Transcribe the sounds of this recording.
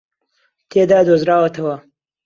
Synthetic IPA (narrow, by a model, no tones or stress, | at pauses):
t̪ʰed̪ɑːd̪ozɾaːwɐt̪ʰɐwɐ